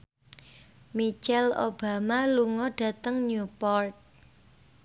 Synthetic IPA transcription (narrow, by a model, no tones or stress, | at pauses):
mit͡ʃɛlo̰b̥a̤maluŋɔɖ̥ä̤t̪əŋnupɔrt̪̚